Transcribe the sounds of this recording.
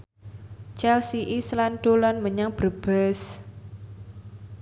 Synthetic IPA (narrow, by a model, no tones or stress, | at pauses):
t͡ʃɛlsiʔislanɖ̪̥olanməɲaŋb̥ərb̥ɛs